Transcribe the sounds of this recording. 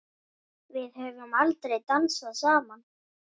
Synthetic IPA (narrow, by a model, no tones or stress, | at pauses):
vɪðhœvʏmalt̪ɾejt̪ansvaðsaːman